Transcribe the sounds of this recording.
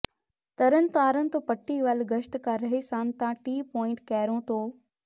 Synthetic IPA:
t̪ɐɾənɪ̆t̪aːɾənɪ̆t̪oːpɐʈːiʋaːlɡɐʃt̪kaɾɐɦesãːnt̪ãʈiːpɔːɪ̃ɳʈkɛːɾõt̪ʰoː

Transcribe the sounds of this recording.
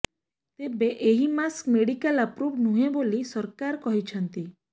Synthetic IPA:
t̪ebeʔeɦimaskmeɽikələpɾuʋnũɦẽbolisɔɾkaɾkɔɦit͡ʃʰɔnt̪i

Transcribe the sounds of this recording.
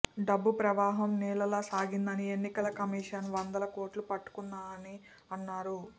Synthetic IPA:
ɖɐbːupɾɐʋaːɦɐmniːlɐlaːsaːɡind̪ɐnie̞nːikɐlɐkɐmiːʂɐnʋɐnd̪ɐlɐko̞ːɾʈlupɐʈːu̥kund̪aːɐni | ɐnːaːɾu

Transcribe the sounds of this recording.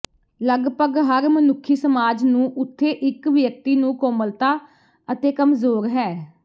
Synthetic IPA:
ləɡpəɡɦəɾmənʊkʰːiːsəmaːd͡ʒnũːʔʊt̪ʰːeːʔɪkʋjək̚t̪iːnũːkoːməlt̪aː | ət̪eːkəmzoːɾɦɛː

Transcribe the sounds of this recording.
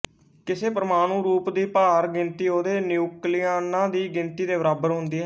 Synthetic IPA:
kɪseːpəɾmaːɽ̃ũːɾuːpd̪iːpaːɾɡɪ̃nt̪iːɦoːd̪eːnjuːkliːjaːnãːd̪iːɡɪ̃nt̪iːd̪eːbəɾaːbəɾɦʊnd̪iːɦɛː

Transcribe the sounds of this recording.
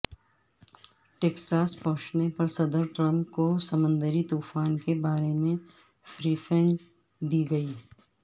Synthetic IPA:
ʈeːksaːspɔ̃ɦʊ̃t͡ʃnepɐɾsɐd̪əɾʈɾə̃nkosɐmə̃nd̪əɾit̪uːfaːnkebaːɾemẽ | fɾiːfʰɛ̃ŋɡ | d̪iːɡɐiː

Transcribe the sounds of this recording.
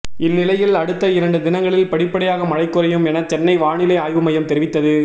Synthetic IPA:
ɪnːɪlɐjɪlɐɽɯt̪ːɐɪɾɐɳɖɯd̪ɪnɐŋɡɐɭɪlpɐɽɪpːɐɽɐjaːɣɐmɐɻɐɪkːɯɾɐjɯmɛnɐt͡ʃɛnːɐɪʋaːɳɪlɐaːjʋɯmɐjɐmt̪ɛɾɪʋɪt̪ːɐðɯ

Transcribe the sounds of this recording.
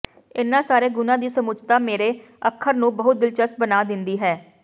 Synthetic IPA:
ɪnːãːsaːɾeːɡʊnãːd̪iːsəmʊd͡ʒt̪aːmeːɾeː | əkʰːəɾnũːbəɦʊt̪̚d̪ɪlt͡ʃəst̪̚bənaːd̪ɪnd̪iːɦɛː

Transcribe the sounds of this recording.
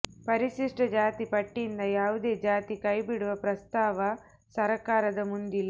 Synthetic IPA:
pɐɾiʃiʂʈɐd͡ʒaːt̪ipɐʈːind̪ɐjaːʋud̪e̞ːd͡ʒaːt̪ikɐjbiɽuʋɐpɾɐst̪aːʋɐ | sɐɾɐkaːɾɐd̪ɐmund̪ilː

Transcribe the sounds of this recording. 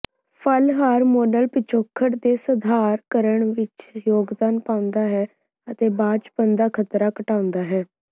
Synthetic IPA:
pʰəlɦaːɾmoːɖəlpɪt͡ʃʰoːkʰːəʈd̪eːsəd̪ʱaːɾkəɾəɳʋɪt͡ʃjoːɡd̪aːnpãːʊ̃nd̪aːɦɛː | ət̪eːbãːt͡ʃpənd̪aːkʰət̪ɾaːkəʈaːʊ̃nd̪aːɦɛː

